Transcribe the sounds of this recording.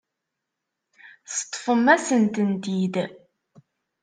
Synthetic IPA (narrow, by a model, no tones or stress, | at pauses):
sə̥t̪ˤːfəmːæsənt̪ənt̪id̪